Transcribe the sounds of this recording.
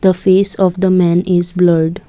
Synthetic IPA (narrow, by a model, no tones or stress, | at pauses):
d̪̥əfesɔʋd̪əmɛ̃nɪzbləɾɖ